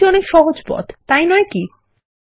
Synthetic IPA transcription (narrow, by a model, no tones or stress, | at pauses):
iɔnekʃɔɦod͡ʑpɔ̰t̪t̪ːajnɔeki